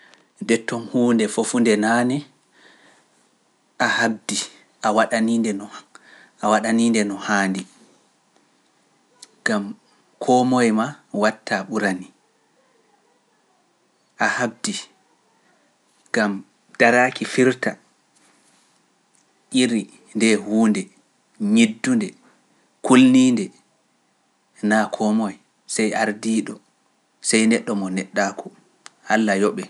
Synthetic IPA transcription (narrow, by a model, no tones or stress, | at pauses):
dɛtːɔmhuːndɛfofundɛnaːnɛ | ʔahab̚di | ʔawaɗaniːndɛnɔ | ʔawaɗaniːndɛnɔhaːndi | ɡ̥am | kʰɔmɔjmawatːaɓuɾani | ʔahab̚di | ɡ̥am | d̥aɾaːkifiɾta | ʔiɾi | ndɛhuːndɛ | ɲidːundɛ | kʰulniːndɛ | nakʰɔmɔj | sajʔaɾdiːɗɔ | sajnɛɗːɔmɔnɛɗːaːkʰɔ | ʔalːajɔɓɛ